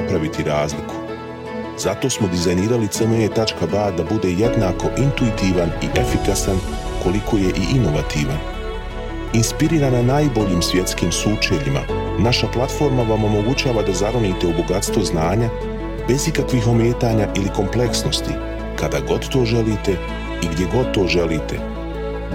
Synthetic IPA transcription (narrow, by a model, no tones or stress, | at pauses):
apɾaʋit̪ʰiɾaːzlikʰu̥ | zat̪o̞ːsmo̞d̪izajniːɾalit̪semeɲet̪at͡ʃkabaːd̪abud̪e̞ːje̞d̪naːko̞ʔint̪uit̪iːʋaniʔe̞fikasan | ko̞likʰo̞ːje̞ʔiʔino̞ʋat̪iːʋan | inspiɾiːɾananaːjbo̞ʎiːmsʋʲje̞t̪skiːmsuːt͡ʃeʎima̰ | naʃaplˠat̪fo̞ːɾmaʋa̞mo̞mo̞ɡut͡ɕaːʋad̪azaɾoniːt̪e̞uboɡat̪st̪ʋo̞znaːɲa | be̞zikakʋixo̞mje̞ːt̪aːɲaʔiliko̞mple̞ksno̞st̪ḭ | kad̪aɡo̞d̪t̪o̞ːʒe̞liːt̪e̞ | iɡd̪jeɡo̞d̪̚t̪ːo̞ːʒe̞liːt̪e̞